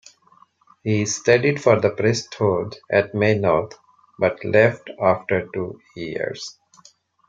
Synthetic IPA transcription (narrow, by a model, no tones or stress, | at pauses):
hiːsʈeɖiɖfɔːɾd̪əpɾɛsʈhoːlɖɛʈ̚meːnɔːɾt̪ʰ | bʌʈlɛfʈaːfʈəɾʈuːjiə̰ɾz̥